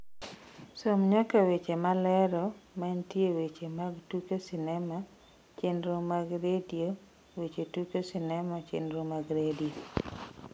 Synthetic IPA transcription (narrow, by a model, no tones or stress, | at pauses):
somɲakawet͡ʃemalɛɾɔmantjewet͡ʃemaɡtukesɪnɛma | t͡ʃendɾomaɡɾedio | wet͡ʃetukesinɛmat͡ʃḛnɾomaɡɾedio